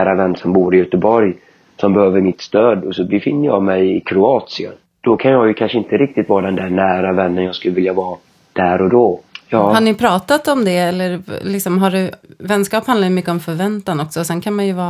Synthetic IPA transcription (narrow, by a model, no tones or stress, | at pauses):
ɾavɛnːsɔmbuːɾɪjœt̪əbɔɾj | sɔmbɛhøːvəɾmɪt̪st̪øːd̪ɔsɔbɛfɪnːəjɑ̰ɡmɛjɪkʰɾʊɑːt̪sɪə̰n | d̪̥ɔkʰanjɑjɵkʰanʂəɪnt̪əɾɪk̚t̪ɪt̪vɑːɾd̪ɛnd̪æɳæːɾavɛnːənjɑːɡskɵlːəvɪljavɑː | d̪̥æːɾɔd̪ɔjɑːhanɪpʰɾɑːt̪at̪ɔmd̪ɛɛlːəɾlɪksɔmɦaɖɛvɛnskɑːphand̪aɾjmʏkːəɔmfœɾvɛnt̪anɔksɔsɛnkʰanmanjɵvɑː